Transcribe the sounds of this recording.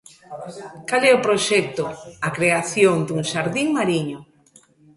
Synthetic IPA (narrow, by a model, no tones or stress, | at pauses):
kalɛʊpɾoʃɛk̚t̪ʊakɾeaθjoŋd̪uŋʃaɾðiŋmaɾiɲʊ